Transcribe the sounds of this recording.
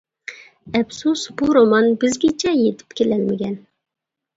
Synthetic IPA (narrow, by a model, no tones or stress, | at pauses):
ɛbsusbuɾomɑnbɪzɡʲit͡ʃʰɛjet̪ʰɪ̥pkʲʰelɛlmɪɡʲɛn